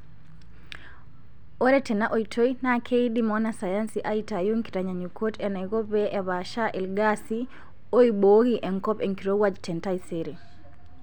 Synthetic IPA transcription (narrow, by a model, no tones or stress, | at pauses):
oɾɛtɛnaʔoitʰoinakʰeidimɔnasajansiʔaitajuŋki̥ɾaɲaɲukʰotɛnaiɣobɛʔɛβaʃaʔilɡasi | oiboɣiʔɛŋkɔpɛŋkiɾowad͡ʒtɛntaisiɾi